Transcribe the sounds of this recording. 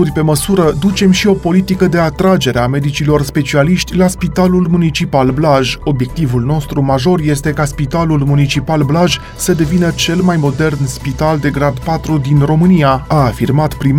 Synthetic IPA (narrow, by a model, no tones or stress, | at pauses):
urʲpe̞məsuɾəd̪ut͡ʃe̞mʃio̞po̞lit̪ikəd̪e̞at̪ɾad͡ʒe̞ɾeame̞d̪it͡ʃilo̞rspe̞t͡ʃialiʃt̪ʲlaspit̪alulmunit͡ʃipalblaʒo̞bje̞k̚t̪ivulno̞st̪ɾumaʒo̞rje̞st̪e̞kaspit̪alulmunit͡ʃipalblaʒ | səd̪e̞vinət͡ʃe̞lmajmo̞d̪e̞rnspit̪ald̪e̞ɡɾad̪pat̪ɾud̪inro̞mɨnijaaːfirmat̪pɾim